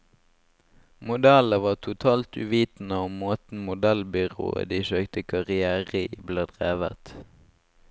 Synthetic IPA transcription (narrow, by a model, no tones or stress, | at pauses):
mʊd̪æləʋɑːʁt̪ʰʊt̪ʰɑːlt̪ʉ̰ːʋiːt̪n̩əʊmmoːt̪n̩mʊd̪ælbʏʁo̰ːə̰d̪iːʃøːkt̪əkʰɑʁɪæːʁəbleːd̪ʁeːʋə̰t̪